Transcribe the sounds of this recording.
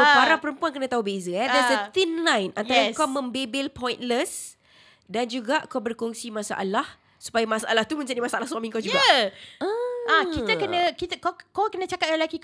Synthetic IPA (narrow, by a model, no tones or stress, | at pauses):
obaɾaŋpəɾəmpuankənãt̪aubezəɛdɛsət̪inlãjnant̪aɾakamə̃mbebɪlpɔ̃jnləs | dand͡ʒuɡaʔkabərkɔŋsimãsa̰ʔa̰lah | su̥pajamãsaʔa̰laht̪umə̃ɲd͡ʒadimasalahsuamĩŋkad͡ʒuɡaʔ | akit̪əkənãkit̪əkakakənat͡ʃakat̪̚jalaki